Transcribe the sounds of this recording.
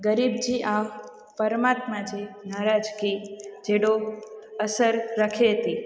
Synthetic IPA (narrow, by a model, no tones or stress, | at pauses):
ɡəɾibd͡ʒiʔa | pəɾəmat̪mad͡ʒinaɾad͡ʒkid͡ʒeɽoəsəɾːəkʰeɦət̪i